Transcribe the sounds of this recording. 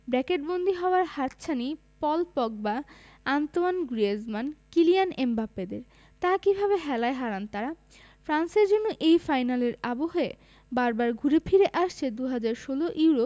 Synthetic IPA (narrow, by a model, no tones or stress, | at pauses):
bɾɛkeʈ̚bond̪ʱiɦɔoaɾhat̪t͡ɕʰani | pɔlpɔɡ̚ba | ant̪oanɡɾiezmankilijanembaped̪eɾ | t̪akibʱaβeɦɛlaeɦaɾant̪aɾa | fɾanseɾd͡ʑonːoʔejfajnaleɾaboɦe | baɾbaɾɡʱuɾepʰiɾeʔaʃt͡ɕʰed̪uɦad͡ʑaɾʃoloʔiwɾo